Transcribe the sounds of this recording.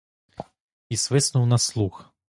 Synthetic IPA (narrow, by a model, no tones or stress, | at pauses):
isvɨsnuwnaslˠux